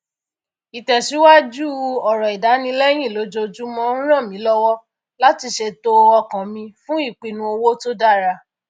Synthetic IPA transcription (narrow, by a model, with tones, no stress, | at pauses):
i˨tɛ˨ʃi˨˦wa˦d͡ʒu˦˨ɔ˨ɾɔ˨i˨da˨˦nĩ˧˦lɛ˦j̃ĩ˦˨lo˨˦d͡ʒo˧d͡ʒu˦mɔ̃˦n̩˦ɾ̃ã˦˨mĩ˨˦lɔ˦wɔ˦ | la˦ti˧ʃe˧to˧ɔ˧kã˨mĩ˧fũ˦i˦˨k͡pi˨nũ˧o˧wo˦to˦da˦˨ɾa˧